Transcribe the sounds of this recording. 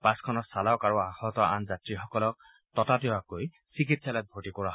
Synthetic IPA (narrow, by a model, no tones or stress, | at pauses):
paskʰɔnɔsalɔkaɹuaxɔtɔʔanzatɹixɔkɔlɔk̚ | tɔtatewakoj | sik̬itsalɔjt̚bʱotikɔɹaɦ